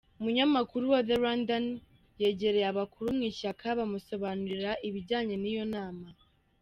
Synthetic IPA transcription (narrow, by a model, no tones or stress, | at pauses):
umuɲamakuɾuwaðeɾandan | je̞ːɟe̞ɾejaβakuɾumŋiːʃakʰaβamuso̞βanuɾiɾaʔiβiɟaːɲenijo̞naːma